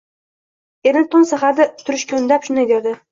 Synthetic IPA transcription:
eɾnɪt̪ʰʊnsaχaɾd̪ɪt̪ʰʊɾɪʃkʲond̪apʃʊnajd̪eɾd̪ɪ

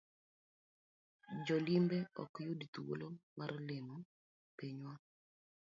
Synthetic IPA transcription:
d͡ʒɔlimbeɔ̰kjodit̪uwo̰lomarlemu | peɲwa

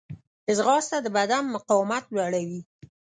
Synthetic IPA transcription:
ɪzɣɑst̪ad̪əbad̪anːʊqɑwɪmat̪laɽawi

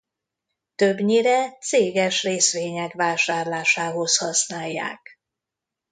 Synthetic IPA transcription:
t̪øbɲiɾɛt̪seːɡɛʃreːsʋeːɲɛkʋaːʃaːrlaːʃaːɦo̞shɒsnaːjːa̰ːk

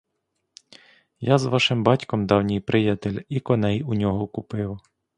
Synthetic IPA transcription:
jazʋɑʃɪmbɑtʲkɔmd̪ɑwnʲijpɾʔɪjɐt̪elʲikɔnɛjunʲɔɦɔkʊpɪw

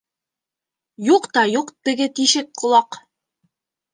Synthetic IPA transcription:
juqt̪ɑjuqt̪ɘ̆ɡɘt̪iʃɘk̚qŏlˠɑq

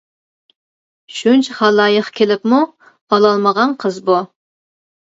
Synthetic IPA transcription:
ʃunt͡ʃʰχɑlˠːɑːjəχkʲʰelɪpmu | ɑlˠɑlˠməʁɑnqʰəzbu

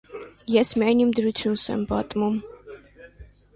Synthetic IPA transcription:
jɛsmanʲimd̪əɾut͡sʰjunsɛ̰mbɑt̪ʼmum

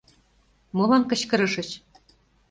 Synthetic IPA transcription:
molɑnkɤ̆t͡ɕkɤ̆ɾɤ̆ʃɤ̆t͡ɕ

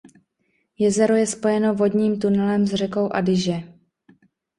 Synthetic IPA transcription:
jɛzɛɾojɛspo̞jɛno̞vo̞dɲiːmt̪unɛlɛmzr̝ɛko̞wʔadɪʒɛ

